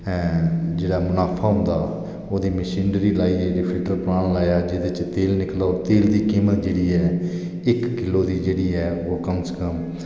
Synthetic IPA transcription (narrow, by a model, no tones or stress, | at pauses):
d͡ʒeːɽaːmʊnaːpʰaːɦʊ̃nd̪aː | oːd̪iːməʃiːnɖɾiːlaːiːɛd͡ʒɽiːpʰɪlʈəɾpɾaːɳlaːjaːd͡ʒeːd̪et͡ʃt̪eːlnɪklaoːt̪eːld̪iːkiːmət̪d͡ʒeːɽiːɛː | ɪkːɪloːd̪iːd͡ʒeːɽiːɛːoːkəmskəm